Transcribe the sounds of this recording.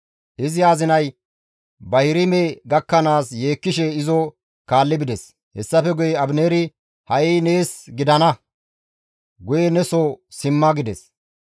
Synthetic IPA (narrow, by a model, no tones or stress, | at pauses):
ʔɪzɪaːzɪnɐj | bɐhɪɾɪmɛɡɐkːɐnaːsje̞ːkːɪʃɛɪzɔ | kaːlːɪbɪd̪ɛs | hɛsːɐfɛɡʊjɛɐbneːɾɪ | hɐʔine̞ːsɡɪd̪ɐnɐ | ɡʊjɛnɛsɔsɪmːɐɡɪd̪ɛs